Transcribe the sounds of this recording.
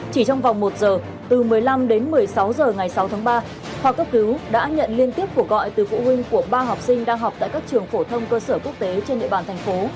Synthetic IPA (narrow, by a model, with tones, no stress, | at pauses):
t͡ɕi˧˩t͡ɕɔ˧wŋ͡mva˨˩wŋ͡mmo˨˩t̚zəː˨˩ | t̪ɨ˨˩mɨ˨˩əjla˧mɗe˨˦nmɨ˨˩əjsa˨˦wzəː˨˩ŋa˨˩jsa˨˦wt̪ʰaː˨˦ŋɓaː˧ | hwa˨˩k̚kːə˦˥p̚kɨ˨˦wɗa̰ː˧˥ɲə̰˧˨nli˧ənt̪i˦˥əp̚ku˧˩əkɣɔ̰˧˨jt̪ɨ˨˩fṵ˧˨hwï˧ŋ̟ku˧˩əɓaː˧ɦɔ˨˩wk͡p̚sï˧ŋ̟ɗaː˧ŋɦa˨˩wk͡p̚t̪a̰ː˧˨jkaː˦˥k̚t͡ɕɨ˨˩əŋfo˧˩t̪ʰə˧wŋ͡mkəː˧səː˧˩ku˦˥ək̚t̪e˨˦t͡ɕe˧nɗḭ˧˨ɓaː˨˩nt̪ʰjŋ̟fo˨˦